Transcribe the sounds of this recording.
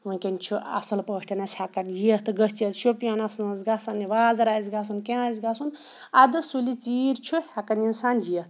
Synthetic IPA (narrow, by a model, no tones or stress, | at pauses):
unkʲent͡ʃʰuʔɐ̰sɐlpəʂʈɐnɐsʲhakɐnjiet̪ʰɨɡəst͡ʃɐt̪t͡ʃʰopijanɐsnɐzɡasɐnːiʋaːzɐɾaːzɡasunkʲãzʲɡasun | ad̪ɨsulit͡siːɾt͡ʃʰuhakɐninsaːnjieht̪